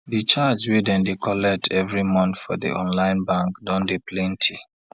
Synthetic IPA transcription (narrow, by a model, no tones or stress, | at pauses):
dit͡ʃad͡ʒwidɛ̃ndekʰɔlɛk̚tʰɛvɹimɔ̃nt̪fɔ̰dḭʔɔ̰̃nlãɪ̃nbãŋkdɔ̃ndeplɛ̃ntʰi